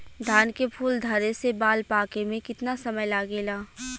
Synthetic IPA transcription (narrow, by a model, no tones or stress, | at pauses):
d̪ʱaːnkepʰuːld̪ʱɐɾesebaːlpaːkemẽkɪt̪nasɐməjlaːɡeːlaː